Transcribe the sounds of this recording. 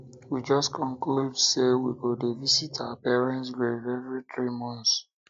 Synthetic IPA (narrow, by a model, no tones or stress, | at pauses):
wid͡ʒɔskʰɔ̃ŋkludsewiɡodevisitʰaʊapɛɹɛ̃ntsɡɹevɛvɹiθɹimɔ̃ns